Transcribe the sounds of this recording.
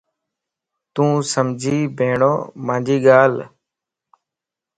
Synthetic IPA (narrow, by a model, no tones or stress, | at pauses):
t̪ũːsəmd͡ʒʱiːbʱeːɳo̰ːmãːd͡ʒiːɠaːl